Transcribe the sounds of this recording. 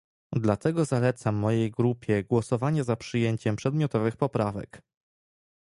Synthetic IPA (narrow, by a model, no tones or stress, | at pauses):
d̪lat̪ɛɡɔzalɛt̪samːɔjejɡɾupʲjɛɡwɔsɔvaɲazapʂɘjeɲt͡ɕɛmpʂɛd̪mʲjɔt̪ɔvɘxpɔpɾavɛ̰k